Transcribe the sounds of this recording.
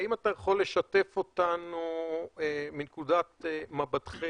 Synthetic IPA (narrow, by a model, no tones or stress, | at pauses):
imatajeχo̞le̞ʃate̞fo̞tanu | minkudat̪mabad̪χe